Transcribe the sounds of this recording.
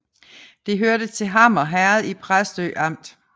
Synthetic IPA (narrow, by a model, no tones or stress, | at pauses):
d̥e̝ɦøɐɾət͡sʰe̝ɦɑ̈mɒ̽ɦæɐð̞̩ˠipʰʁasd̥ø̰ːʔɑ̈m̰d̥